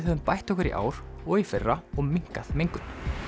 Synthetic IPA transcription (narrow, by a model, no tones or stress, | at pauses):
ðɦœvðʏmpajht̪ɔkʏɾḭʔa̰ːwɾ̥ɔɣifɪrːaɔɣmiŋ̥kaðmejŋkʏn